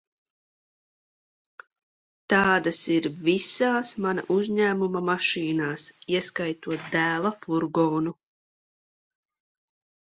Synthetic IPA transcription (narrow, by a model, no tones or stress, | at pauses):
t̪ɑːd̪asiɾvisaːsmana̰ʔuzɲæːmumamaʃiːnaːsiɛskajt̪uɔt̪̚d̪æːlˠafuɾɡɔːnu